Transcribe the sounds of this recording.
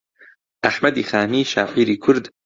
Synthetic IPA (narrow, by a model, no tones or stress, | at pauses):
ʔæħmad̪iːxaːmiːʃa̰ːʕiːɾiːkʰʊɾd̪